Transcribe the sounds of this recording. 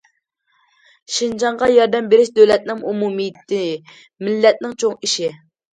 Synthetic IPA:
ʃind͡ʒɑɴʁɑjɑɾd̪ɛmbeɾɪʃd̪øwlɛt̪̚nɪŋumumit̪ɪ | mɪlːɛt̪̚nɪŋt͡ʃʰoŋiʃi

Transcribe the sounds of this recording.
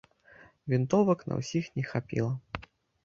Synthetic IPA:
vʲint̪ɔvɐknɐ̰wsʲixnʲɛxapʲḭlˠɐ

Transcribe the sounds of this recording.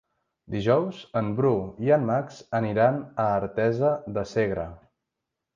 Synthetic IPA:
d̪iʒɔwzəmbɾuiənmakz̥əniɾanəːɾt̪ɛzəðəseɣɾə̰

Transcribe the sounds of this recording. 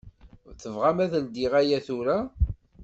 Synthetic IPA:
θəvʁamæðəld̪iʁæjæθuɾa

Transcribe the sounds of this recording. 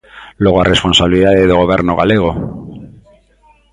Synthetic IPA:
loɣ̞oarʔesponsaβiliðaðeðoɣoβ̞eɾnoɣaleɣ̞o

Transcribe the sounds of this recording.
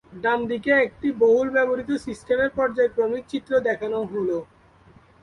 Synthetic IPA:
ɖamd̪ikeek̚ʈiboɦulbɛboɾit̪osisʈemeɾpɔɾd͡ʑaekɾomik̚t͡ɕit̪ːɾod̪ɛkʰanoɦolo

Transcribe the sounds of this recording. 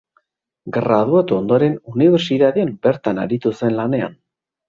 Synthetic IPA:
ɡɾað̞uat̪uond̪o̞ɾe̞nuniβeɾsiðaðeambe̞ɾt̪ana̰ɾit̪use̞nlane̞a̰n

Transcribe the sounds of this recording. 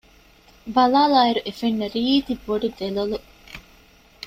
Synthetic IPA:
bɐlaːlaːiɾuʔefenːɐɾiːt̪ibːoɖiʋelolu

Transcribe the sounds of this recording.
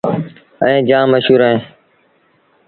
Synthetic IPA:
əẽːd͡ʒãːməʃuːɾəẽː

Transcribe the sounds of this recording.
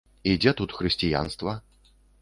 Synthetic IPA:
id͡zʲɛt̪ut̪xɾɨsʲtʲɪja̰nst̪vɐ

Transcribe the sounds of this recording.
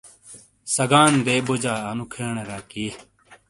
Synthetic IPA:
sɐɡaːnd̪eːbod͡ʑaːɐnukʰeːɳɾaːkiː

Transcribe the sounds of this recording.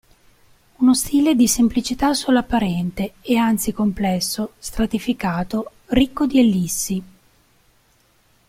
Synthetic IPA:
unost̪iːled̪isemplit͡ʃit̪asːulːapːaɾɛnt̪eːant̪sikomplɛsːost̪ɾat̪ifikaːt̪o | rikːod̪ielːisːi

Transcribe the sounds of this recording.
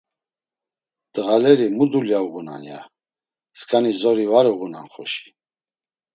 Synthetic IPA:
d̪̥ʼəʁalɛɾimud̪uljauʁuna̰nja̰ | skʼanizɔɾivaɾuɣuna̰nχɔ̰ʃi̥

